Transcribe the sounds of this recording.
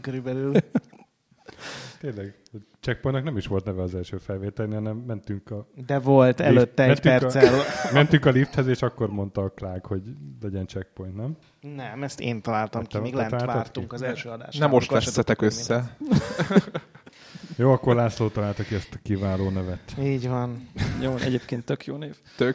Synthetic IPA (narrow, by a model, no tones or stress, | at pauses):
køɾybɛlyl | t̪eːnlɛɡ | t͡ʃɛk̚pojnt̪knɛmiʃʋo̞lt̪nɛvɛɒzɛlʃøːfɛlʋeːt̪ɛlnihɒnɛmːɛnt̪yŋkɒd̪ɛvo̞lt̪ɛløt̪ːɛmɛnt̪ɛrslmɛnt̪yŋkɒlift̪hɛzeːʃɒkːo̞rmo̞nt̪ɒklaːɡho̞ɟlɛɟɛnt͡ʃɛk̚po̞jnt̪nɛm | nɛmɛst̪ḛːnt̪ɒlaːlt̪ɒmk̪ːɛeɡlɛaːlaɔrt̪uŋkɒzɛlʃøːɒd̪a̰ːʃnɛmoʃt̪ɛsːɛt̪ɛkøsːɛ | joːɒkːoɾrlaːsloːt̪ɒlaːlt̪ɒkiɛst̪ɒ̥kivaːloːnɛvɛt̪iːɟvɒnjoːɛ̰ɟeːpkeːnt̪ːøkjoːneːvt̪øk